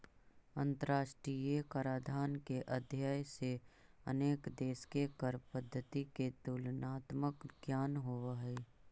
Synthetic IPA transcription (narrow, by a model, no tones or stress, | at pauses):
ə̃nt̪əɾaːʃʈɾijekaːɾaːd̪ʱaːnkeʔəd̪ʱjaːjseə̰neːkd̪eːskekəɾpəd̪ʱːədt̪ik̪et̪ulnaːt̪məkɡjaːnɦoʋaɦɛː